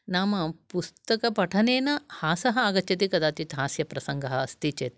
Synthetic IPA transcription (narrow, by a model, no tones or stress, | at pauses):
naːmɐpust̪ɐkɐpɐʈʰɐneːnɐhaːsɐɦɐaːɡɐt͡ʃːɐt̪̬ikɐd̪aːt̪jit̪ɦaːsjɐpɾɐsɐŋɡɐɦɐɐst̪iːt͡ʃeːt̪